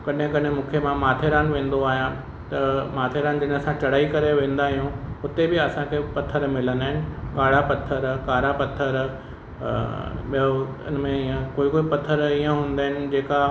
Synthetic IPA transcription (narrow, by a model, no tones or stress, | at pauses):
kɐɗɦɪ̃kɐɗɦɪ̃mũːkʰjemãmaːt̪ʰeɾaːnʋẽːn̆d̪oaːɦijã | t̪ɐmaːt̪ʰeɾaːnd͡ʑɐñɐsãt͡ɕɐɽ̤aːikɐɾeʋẽːn̆d̪aːɦijũʊt̪ebɪɐsãkʰepɐt̪ʰːəɾmɪlənaːɦɪnɪ̆kaːɽapɐt̪ʰːəɾkaːɾapɐt̪ʰːəɾ | ɓio̰ | nmẽiə̃koːikoːipɐt̪ʰːəɾiːə̃ɦũːn̆d̪aːɦɪnɪ̆d͡ʑeːka